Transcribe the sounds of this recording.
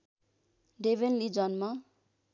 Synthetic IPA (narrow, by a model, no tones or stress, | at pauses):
ɖeβenlid͡zʌnmʌ